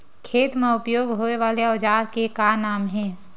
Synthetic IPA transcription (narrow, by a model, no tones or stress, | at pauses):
kʰeːt̪mẽʊpjoːɡɦoeʋaːleɔːd͡ʒaːɾkekanaːmɦɛ̃ː